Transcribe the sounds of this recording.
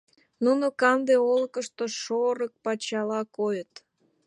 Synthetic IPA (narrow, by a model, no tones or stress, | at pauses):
nunokɑnd̪eoləkəʃt̪oʃoɾək̚pɑt͡ɕɑlɑkojət̪